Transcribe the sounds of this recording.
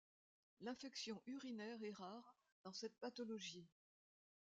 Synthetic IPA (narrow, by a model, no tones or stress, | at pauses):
lɛ̃fɛksjɔ̃ʔyʁinɛʁɛʁaʁ | d̪̥ɑ̃sɛt̪̚pat̪ɔlɔʒi